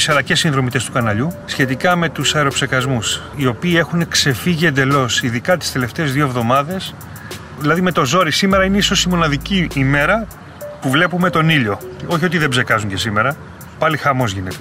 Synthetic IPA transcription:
sɐlɐcesinðɾo̞mit̪est̪u̥kɐnɐʎusçe̞t̪̬ikɐme̞t̪usɐeɾo̞pse̞kɐzmus | io̞piːe̞xune̞kse̞fiʝie̞nd̪e̞lo̞siðikɐt̪i̥st̪e̞le̞ft̪e̞ːzðioevðo̞mɐðe̞s | ðilɐðime̞t̪o̞zo̞ɾisime̞ɾɐineiso̞simo̞nɐðiciːme̞ɾɐ | puvle̞pume̞t̪o̞niʎo̞o̞çio̞t̪iðebze̞kɐzuɲɟe̞sime̞ɾɐ | pɐlixɐmo̞zʝinet̪e

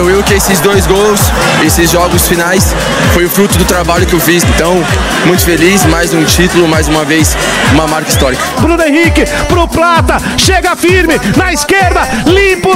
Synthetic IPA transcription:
ewewkɪesɪzd̪ojzɡows | esɪzʒɔɡʊsfinajs | fojʊfɾut̪ʊd̪ʊt̪ɾabaʎʊkɪewfisẽt̪ɐ̃w̃ | mũj̃t̪ʊfelismajzũt͡ʃit̪ʊlʊmajzũmɐvejs | ũmɐmaɾkɐist̪ɔɾikɐ̥bɾũnʊẽhikɪpɾʊplat̪ɐ | ʃeɡɐfiɾmɪnɐiskeɾd̪ɐlĩpʊ

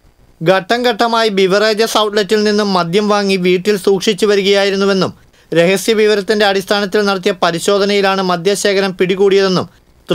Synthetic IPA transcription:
ɡɐʈːɐŋɡɐʈːɐmaːjibiʋɐreːd͡ʑ̪jɐsɐwʈletːilninːumːɐd̪ʱjɐmʋaːŋːiʋiːʈːilsuːkʂit͡ɕːuʋɐɾuɣɐjaːjiɾunːuʋe̞nːum | ɾe̞ɣɐsjɐʋiʋɐɾɐt̪ːinde̞ɐɽist̪ʰaːnɐt̪̬ːilnɐɽɐt̪̬ːijɐpɐɾiɕo̞ːd̪ʱɐnɐjilaːɳɨmɐd̪ʱjaɕeːkʰɐɾɐmpiɽiɣuːɽijɐðe̞nːum | t̪

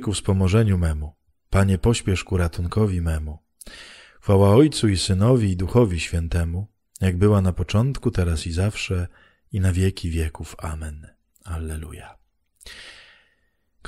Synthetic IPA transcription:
kufspɔmɔʐɛɲumɛmu | paɲɛpɔɕpʲjɛʂkuɾat̪uŋkɔvʲimɛmu | xfawaɔjt̪suisɘnɔvʲiːd̪uxɔvʲiɕfʲjɛnt̪ɛmu | jaɡbɘwanapɔt͡ʂɔnt̪kut̪ɛɾasizafʂɛ | inavʲjɛkʲʰivʲjɛkufa̰mɛn | alːɛlṵja | k

